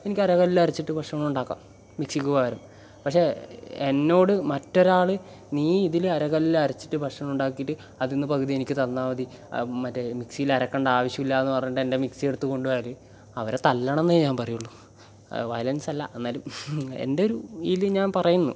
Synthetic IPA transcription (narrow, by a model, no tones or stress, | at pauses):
e̞nikʲːɐɾɐkɐlilɐrit͡ɕːiʈːɨpɐʂɐmmuɳɖaːkːa̰ːm | miksikʲːuɣaʋɐɾɐm | pɐkʂe̞enːo̞ːɽɨmɐtːo̞ɾaːɭɨ | niːiðilɐɾɐɣɐlːilɐɾit͡ɕːi̥ʈːɨpɐkʂɐmuɳɖaːkːijiʈːɨ | ɐðinːɨpɐɣʰɨðie̞nikʲːɨt̪ɐlnːaːʋɐði | mɐtːemiksiilɐɾɐkːeɳɖaːʋɐɕjɐmilːaːenːɨpɐrɐɲːuʈːende̞mikse̞ɽut̪ːuko̞ɳɖuʋaːlɨ | ɐʋɐɾet̪ɐlːɐɳɐnːeɲaːnpɐrɐjuɭːu | ʋɐjlɐnsɐlːɐ̰e̞nːaːlume̞̰nde̞o̞ɾuilɨɲaːnpɐrɐjunːṵ